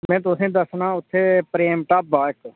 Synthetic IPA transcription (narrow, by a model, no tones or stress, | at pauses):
mɛ̃ːt̪̬ʊsẽːd̪əsnãːʊt̪ʰːeːpɾeːmʈaːp̚baːk